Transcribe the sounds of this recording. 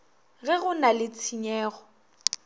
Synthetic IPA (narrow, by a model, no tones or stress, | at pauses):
ɣɛɣʊnalɪt͡sʰiɲɛːɣɔ